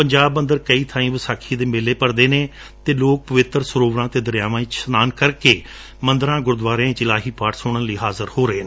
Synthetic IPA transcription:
pəɲd͡ʒaːbmə̃nd̪əɾkəiːt̪ʰaːĩːʋəsaːkʰiːd̪eːmeːleːpəɾd̪eːneː | t̪eːloːk̚pəʋɪt̪ɾsʊɾoːʋɾãːt̪eːd̪əɾjaːʋãːt͡ʃsnaːnkəɾkeː | mə̃nd̪əɾãːɡʊɾd̪ʋaːɾeãːĩt͡ʃɪlaːɦiːpaːʈsʊɳənliːɦaːzəɾhoːɾəeːneː

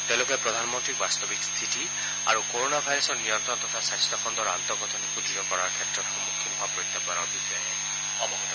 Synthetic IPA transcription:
t̪ɛ̃lokɔjpɹɔd̪ʱanɔmɔnt̪ɹik̚bast̪ɔbikst̪ʰitʰi | a̰ɹukoɹonabʱajɾɔsɔɹnijɔnt̪ɹɔnt̪ɔt̪ʰasajst̪ɔxʰɔnd̪ɔɹa̰nt̪ɔɡɔt̪ʰɔnikudizɔkɔɹaɹkʰjɛtɹɔt̪xɔmukʰːinɔɦapɔit̪ːapɔnɔɹbixɔjɔɛ | ɔmɔɡɔtɔ

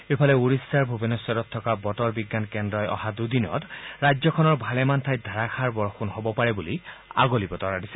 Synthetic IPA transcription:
epʰɔlɛuɹisːaɹbʱubinɔsɔɾɔt̪ʰːɔkabɔtɔɹbiɡːankɛndɹɔjɔ̰hadudinɔ̰tɹajzɔkʰɔnɔɹbʱalɛmantʰaj̚d̪ʱaɹaxʰaɹbɔɹxunɦobɔpaɹɛbulia̰ɡolibɔtɔɹadisɛ̥

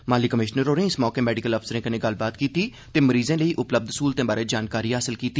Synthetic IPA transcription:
maːliːkəmɪʃnəɾoːnẽːɪsmɔːkeːmɛːɖɪkələpʰsəɾẽːkənẽːɡəlbaːt̪kiːt̪iː | t̪eːməɾiːzẽːləiːʔʊpləb̚d̪suːlt̪ẽːbaːɾeːd͡ʒaːnkaːɾiːɦaːsɪlkiːt̪iː

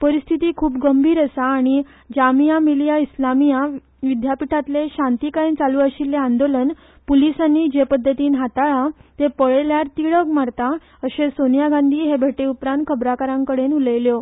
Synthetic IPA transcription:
pəɾist̪ʰit̪iːkʰuːp̚ɡəmbʱiːɾəsaːɽ̃i | d͡ʑamijamilijaislamija | ʋid̪japiʈʰat̪leɕãnt̪ikaĩnt͡saluːaɕilːeãnd̪olən | pulisanːiːd͡ʑepəd̪ʱːət̪iːnɦat̪aɭat̪epəɭeljaɾt̪iɭəkmaɾt̪a | əɕesonijaɡãnd̪ʱiːɦebʱeʈeupɾãnt̪̚kʰəbɾakaɾãŋkəɽenuləjljo

